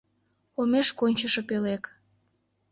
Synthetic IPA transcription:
omeʃkonʲt͡ɕəʃɤ̆pelek

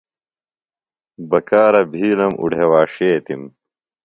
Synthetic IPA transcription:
bɐkaːɾɐbʱiːlɐmʔṵɖʱewaːʂeːt̪im

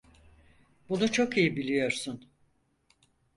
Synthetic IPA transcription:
bunut͡ʃʰo̞kijibilʲijo̞ɾsun

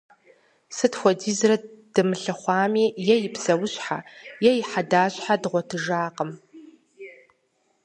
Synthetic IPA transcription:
sɨtxʷɔdiːzrɐd̥ɨmɨɬɐχʷɑːmiːjɛjɪpʰsɐwʊɕʼħa̰jɛjɪħadaːɕħadɨʁʷɔtʰɨʒaːqəm

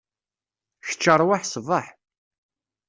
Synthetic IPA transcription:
çə̥t͡ʃːəɾˤwaħsəvəħ

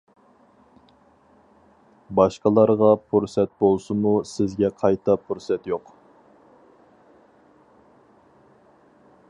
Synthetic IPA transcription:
bɑʃqəlˠɑɾʁɑpʰuɾsɛt̪̚bolˠsɨmusɪzɡʲɛqʰɑjt̪ʰɑpʰuɾsɛt̪joq

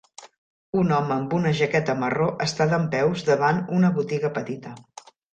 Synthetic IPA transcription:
unɔməːmbunəʒəkɛt̪əməroʔəst̪aðəmpɛwzðəβanunəβut̪iɣəpət̪it̪ə

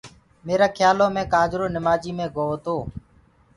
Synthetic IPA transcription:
meːɾaːkʰjaːlõːmẽːkaːd͡ʒɾoːnɪmaːd͡ʒiːmẽːɡoːʋt̪oː

